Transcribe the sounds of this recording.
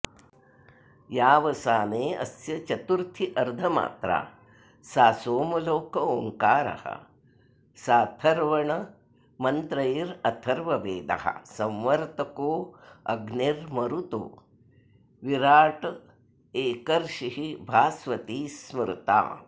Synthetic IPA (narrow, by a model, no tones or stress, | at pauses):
jaːʋɐsaːneːʔɐ̰sjɐt͡ʃɐt̪uɾt̪ʰiʔɐɾd̪ʱɐma̰ːt̪ɾa̰ː | saːsoːmɐloːkɐoːŋkaːɾɐ̰hɐ̰ | saːt̪ʰɐɾʋɐɳɐ | mɐnt̪ɾɐjiɾɐt̪ʰɐɾʋɐʋeːd̪ɐ̰hɐ̰sɐ̃mʋɐɾt̪ɐkoːɐɡniɾmɐɾut̪o̰ː | ʋiɾaːʈɐ | eːkɐɾʂiɦibʱaːsʋɐt̪iːsmɾut̪a̰ː